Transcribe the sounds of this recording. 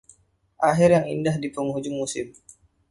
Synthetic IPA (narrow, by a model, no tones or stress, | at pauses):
ʔaɦɪrjaŋḭndahdipəŋɦud͡ʒʊŋmusɪm